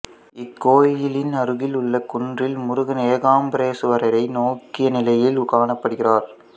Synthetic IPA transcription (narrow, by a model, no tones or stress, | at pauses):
ɪkːoːjjɪlɪnɐɾɯɣɪlʊɭːɐkʊɳdrɪlmʊɾʊɣɐneːɣaːmbɾeːsɯʋɐɾɐɾɐɪnoːkːɪjɐnɪlɐjɪlʊɣaːɳɐpːɐɽɯɣɪraːɾ